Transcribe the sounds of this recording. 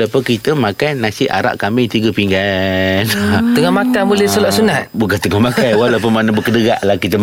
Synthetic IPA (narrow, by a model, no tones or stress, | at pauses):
lapəkit̪əmakajnasiʔa̰ɾa̰ʔkamɪŋt̪iɡəpiŋɡant̪əŋɔhmakabulɛhsəlɔʔsunat̪̚bukant̪əŋɔhmakajwalapəmanəbəkədəɡaʔlahkit̪ə